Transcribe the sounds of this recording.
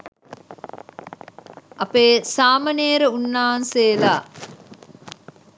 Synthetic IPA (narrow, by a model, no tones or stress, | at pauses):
ʔɐpeːsaːmɐneːɾeunːaːnseːlaː